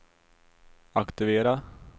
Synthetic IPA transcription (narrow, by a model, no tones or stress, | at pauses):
akt̪ɪveːɾa